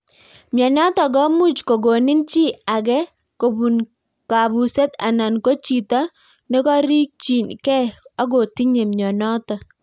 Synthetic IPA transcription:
mjɔ˨nɔ˦tɔ˨ɡɔ˦mu˦t͡ʃko˨ɡo˨nɪ˦nt͡ʃi˦a˨ɡɛ˦ | ko˨bu˨n | ka˨bu˨se˦t̪a̰˨na˨nko˦t͡ʃi˨ta˦ | ne˦kɔ˦ɾi˦k̚t͡ʃi˨nkɛ˦a˦ɡo˨ti˦ɲe˨mɲɔ˨nɔ˦tɔ˨

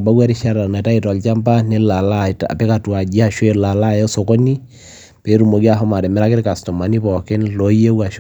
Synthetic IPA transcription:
ba˦ɡwa˦ɾi˦ʃa˦ɾa˨na˨ta˦i˨tɔ˨lt͡ʃa˦mpa˦nɛ˦la˨la˦tpɛ˦ka˨twa˨d͡ʒi˦a˨ʃwe˦la˨la˦˨jɔ˦so˨ko˦ni˦ | pe˨˦ɾu˨mo˨ɡi˦a˦˨ɦɔ˦ma˨ɾɛ˨mɛ˦ɾa˦kɪ˦ɾka˨stɔ˨ma˨ni˦pɔ˨kɪ˦nlo˨˦je˦wa˨ʃ

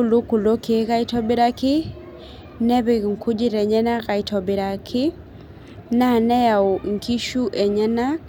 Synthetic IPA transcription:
u˦˨lo˦ku˨lo˦ke˨˦ɣa˦i˦tɔ˦bɪ˦ɾa˦kɪ˦ | nɛ˦βe˨ŋ˨ku˦d͡ʒi˦ɾɛ˨ɲɛ˦na˦ka˨i˨tɔ˨bɪ˨ɾa˨kʰɪ˦ | na˦˨nɛ˦ja˨o˨ŋ̩˨ki˦ʃu˦ʔɛ˨ɲɛ˦na˦

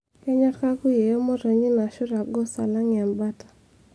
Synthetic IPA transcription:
kɛ˦ɲa˦tka˦ku˦je˨jɔ˦mɔ˦ɾo˨ɲi˦ma˨ʃʊ˦ɾa˨ɡɔ˦sa̰˨la˦ŋɪ˨a˨mba˦tḁ˨

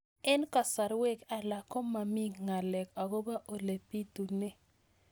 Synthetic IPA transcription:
ɛ˦nka˨sa˨ɾwe˦ka˨la˨kɔ˦ma˨mi˦ɡŋa˨lɛ˨ka˨ɡo˦ba˦ʔo˨le˨pi˦tu˨nɛ˦

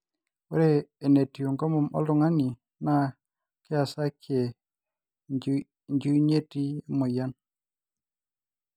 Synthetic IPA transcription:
wɛ˦ɾeː˦˨ne˨ti˨o˨ŋɡɔ˦mɔ˨mɔ̰˦lʊ˦˨ŋa˦ni˨ | na˦ | kɪ˦a˨sa˦kje˨ | ɲd͡ʒu˦ɲe˦ti˦mɔ˨ja˦n

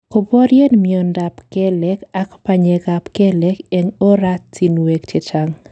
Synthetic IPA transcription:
ko˨bo˦ɾje˦nmiɔ˨nda˨pkɛ˦lɛka˦kpa˨ɲe˨ɡa˨pke˦lɛ˦ke˨ŋo˦ɾa˦ti˨nwekt͡ʃe˨t͡ʃaŋ

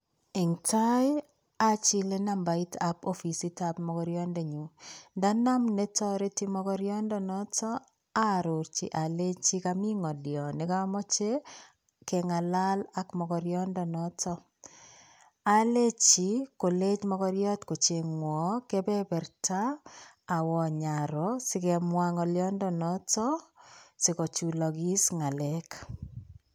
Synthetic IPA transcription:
i˨ŋta˦j | a˦t͡ʃi˦le˦na˦mba˨i˦tapo˦fi˨si˦tapmɔ˨kɔɾjɔ˦nde˨ɲu˨nda˦na˦mne˦tɔɾi˦ti˦mɔkɔ˦ɾjɔ˦ndɔ˦nɔ˦tɔ˦ | a˦ɾʊ˨ɾt͡ʃi˨ʔa˨le˦t͡ʃi˦kami˦ŋɔ˨djɔ˨nɪ˨ka˦mɔ˦t͡ʃe˦ | ke˨ŋa˨la˦la˦kmɔkɔɾjɔ˦ndɔ˨nɔtɔ˦ | a˦le˦t͡ʃi˨ko˨le˦t͡ʃmɔ˦kɔɾjɔ˦tko˨t͡ʃe˨ŋwɔ˨kɛ˦bɛ˦bɛ˨ɾtʰaː˦˨ | wɔ˨ɲa˨ɾɔsɪ˦kɛ˨mwa˦ŋɔ˨ljɔ˦ndɔ˦nɔ˦tɔ˦sɪ˨kɔ˨t͡ʃu˨lɔ˨ɡi˦sŋa˨lɛ˦k

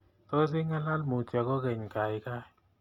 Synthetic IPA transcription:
t̪ɔ˦s̬ɪ˦ŋa˦la˦lmu˨t͡ʃa˨kɔ˦kɛ˨ɲka˨jka˦˨

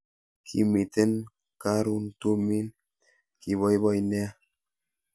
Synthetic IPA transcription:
kʰḭ˨mi˨t̪e˦n | ka˦ɾu˦nt̪u˦mi˦n | ki˨βɔ˦jβɔ˦jnɛ˦a˦

